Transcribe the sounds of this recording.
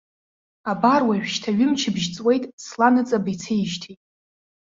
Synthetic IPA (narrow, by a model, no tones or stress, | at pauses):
abarwaʒᶣʃtʰaɥʊmt͡ʃʰɪbʒt͡sʼwe̞jtʼslanɨt͡sʼabajt͡sʰejʃtʰitʼ